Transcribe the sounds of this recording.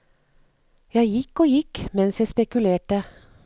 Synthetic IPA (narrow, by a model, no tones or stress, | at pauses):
jæɪjɪkoːjɪkmɛnsjæɪspɛkʉleːʈə